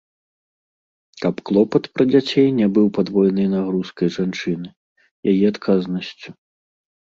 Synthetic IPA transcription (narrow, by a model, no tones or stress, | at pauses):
kɐpklˠɔpɐt̪pɾɐd͡zʲat͡sʲejnʲɛbɨwpad̪vɔjɛnɨjnaɣɾuskɐjʐant͡ʂɨnɨ | jajiat̪kʰaznɐsʲt͡sʲu̥